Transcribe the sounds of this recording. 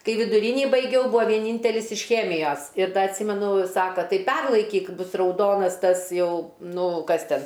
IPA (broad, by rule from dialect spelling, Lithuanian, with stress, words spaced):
ˈkɐɪ ʋʲɪdʊˈrʲiːnʲiː bɐɪˈɡʲɛʊ ˈbʊɐ ʋʲiɛˈnʲiːnʲtʲɛlʲɪs ɪʃ ˈxʲæːmʲɪjoːs ɪr ˈdɐ ɐtʲˈsʲiːmʲɛnʊ ˈsɑːkɐ ˈtɐɪ ˈpʲɛrlˠɐɪkʲiːk ˈbʊs rɐʊˈdoːnɐs ˈtɐs ˈjɛʊ ˈnʊ ˈkɐs ˈtʲɛn